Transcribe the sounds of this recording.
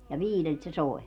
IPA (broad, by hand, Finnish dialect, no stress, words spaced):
jɑ ʋiːlelt se soi̯